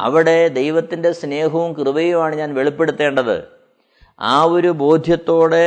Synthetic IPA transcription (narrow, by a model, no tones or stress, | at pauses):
ɐ̰ʋiɽe̞d̪ejʋɐt̪ːinde̞sne̞ːɦɐʋumkrɨʋɐjumaːɳɨɲaːnʋe̞ɭipːe̞ɽut̪ːe̞ːɳɖɐðɨ̰ | aːoɾubo̞ːd̪ʱjɐt̪ːo̞ːɽe̞